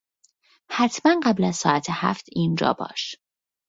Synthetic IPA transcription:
hæt̪ʰmænɢæblæzsɒːæt̪ʰehæ̰ft̪ʰiːnd͡ʒɒ̰ːbɒ̰ːʃ

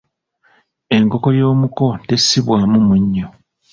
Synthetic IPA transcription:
e̞ŋko̞ko̞jo̞ːmuko̞te̞sːiβwaːmumuɲːo

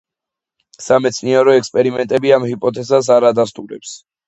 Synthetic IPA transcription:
samɛt̪sʰniɛɾɔɛkspʼɛɾimɛnt̪ʼɛbiamhipʼɔt̪ʰɛzas̬aɾad̪ast̪ʼuɾɛ̰ps

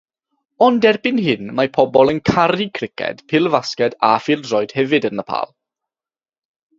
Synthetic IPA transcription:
ɔndɛrbɪnɦɪnmapʰɔbɔlˠənkʰaɾikʰrɪkʰɛ̰d̥pʰɪlˠvaskɛdafiːlˠdrɔjd̥hɛvɨdənəpʰa̰ːlˠ

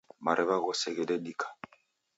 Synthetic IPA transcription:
maɾʔɛbaɣɔsɛɡɛdɛdikʰḁ

